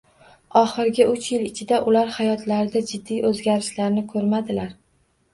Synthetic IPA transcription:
ɒχɪɾɡʲɪʔʊt͡ʃjɪlɪt͡ʃʰɪd̪aʔʊlaɾhajɒt̪ʰlaɾɪd̪ad͡ʒɪd̪ːijɵzɡʲaɾɪʃlaɾnɪkʰɵɾmad̪ɪlaɾ

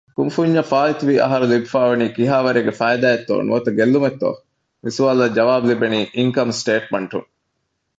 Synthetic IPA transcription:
kumfuɲːɐfaːlit̪uʋiːʔɐ̰ɦɐɾulibifaːʋɐniːkiɦaːʋɐɾeːɡefæːjd̪æːjet̪ːo̰ːnṵʋɐt̪ɐɡelːumet̪ːo̰ː | misuʋaːlɐd͡ʒɐʋaːbulibeniːʔiŋkɐmsʈeːʈ̚mɐɳʈṵŋ

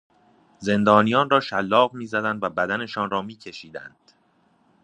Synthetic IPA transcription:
ze̞nd̪ɒːnijɒːnɾɒːʃælːɒːɣmiːzæd̪ænd̪væbæd̪æne̞ʃɒːnɾɒːmiːcʰe̞ʃiːd̪æ̰nd̪̥

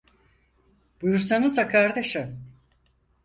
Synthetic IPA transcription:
b̥ujuɾsanɯzakʰaɾd̪eʃɯ

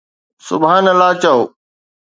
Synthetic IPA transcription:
sʊ̰bʱaːnəlaːt͡ɕɐoː

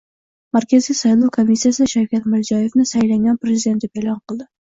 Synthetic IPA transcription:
maɾkʲʰazijsajlˠuwkʰomisːijasɪʃawkʲat̪mɪɾzɒje̞fnɪsajlaŋɡʲanpɾezɪid̪e̞nt̪d̪epe̞lˠɒnqʰɨlˠd̪ɪ

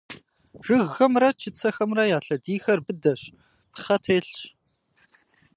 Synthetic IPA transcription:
ʐ̥ɨɣːɐmrɐt͡ʃʰɪt͡sʰɐxɐmrɐjaːɬɐdiːxɐrbɨdɐɕ | pχɐtʰeːɬɕ

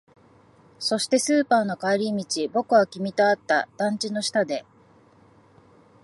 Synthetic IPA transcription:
so̞ɕi̥t̪e̞sɨːpaːno̞kaɾʲimʲit͡ɕibo̞kɯ̟βakʲimʲit̪oat̪ːa̰d̪̥ãɲ̟t͡ɕino̞ɕi̥t̪ad̪e̞

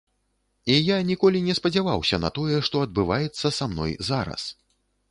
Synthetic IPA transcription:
ijanʲikɔlʲinʲɛspɐd͡zʲavawsʲɐnɐ̰t̪ɔjɛʂt̪ɔɐd̪̚bɨvajɛt̪sːɐsamnɔ̰jzaɾɐ̰s

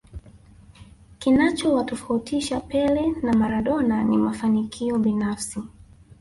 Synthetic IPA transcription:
kinat͡ʃɔwatɔfautʰiʃapɛlɛnamaɾaɗɔnanimafanikʰiɔɓinafsi

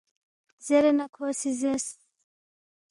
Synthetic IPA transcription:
zɛɾɛnakʰɔsizɛs

